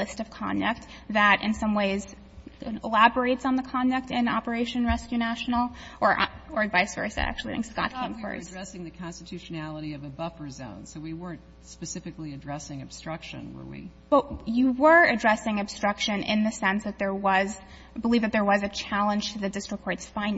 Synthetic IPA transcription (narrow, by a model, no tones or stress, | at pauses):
ɪstʌv̥kʰɑ̰̃ndɨk̚t̪̚ | ðɨɾʔɨ̰̃nsʌ̃mweɪz | əlæbə˞eɪtsn̩ðəkʰɑ̃ndɨk̚tɪ̃nɑ̰pə˞eɪʃɨ̃nɹɛskjʉnæʃn̩l̩ˠʔə˞ʔə˞ɨdvaɪsvɜ̰˞sðɨ̰ɾæ̰k̚t͡ʃʉl̩ˠḭɨ̰̃ŋskɑ̰t̚kʰʌ̃ŋfɜ̰˞sɹɛsɪ̃ŋðɨkʰɑ̃nstɨtʰʉʃɨnælˠəɾiʌvɨbʌfə˞zõ̰ʊ̃nsoʊwiwɜ˞ɨ̃nt̚ | spɨsɪfɨkliɨdɹɛsɪ̃ŋɨb̥stɹ̥ʌkʃɨ̰̃nwə̰˞wḭ | b̥ʌtjɨwə˞ɨdɹɛsɪ̃ŋɨb̥stɹ̥ʌkʃɨ̃nʔɪ̰̃nðɨsɛ̃nsðɨt̪̚ðə˞wʌz | bəlivðɨt̪̚ðə˞wʌzɨt͡ʃʰælˠə̃nʒ̥tʰɨðɨdɪstɹ̥əkʰɔɹtsfãɪ̃n